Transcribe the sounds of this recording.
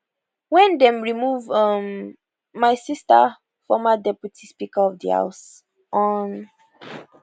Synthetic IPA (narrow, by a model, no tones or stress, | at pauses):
wɛ̃ndɛ̃mɹimuvʌmː | aɪsista̰ | fɔmadɛpjutʰispikaɔvdḭha̰ʊs | ʔɔn